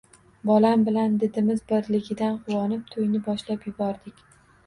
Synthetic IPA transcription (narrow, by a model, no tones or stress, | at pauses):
bɒlambɪland̪ɪd̪ɪmɪzbɪɾlɪɡʲɪd̪anqʰʊwɒnɪp̚t̪ʰojnɪbɒʃlapjʊbɒɾd̪ɪkʲ